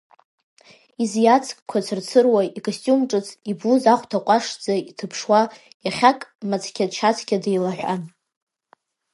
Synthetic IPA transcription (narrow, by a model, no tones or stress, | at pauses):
izjat͡sʰkʼkʷʰat͡sʰɨrt͡sʰɨrwaikʼostʼumʈ͡ʂʼɨt͡sʰibluzaχʷtʰaqʷʼaʂd͡zaitʰɨpʰʂwa | jaχʲakʼmat͡sʰkʲadt͡ʃʰat͡sʰkʲʼadejlaħʷᶣa̰n